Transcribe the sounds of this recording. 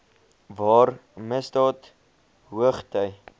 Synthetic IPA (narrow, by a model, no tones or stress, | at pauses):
vɑːrməsdɑːt | ɦuəχtœj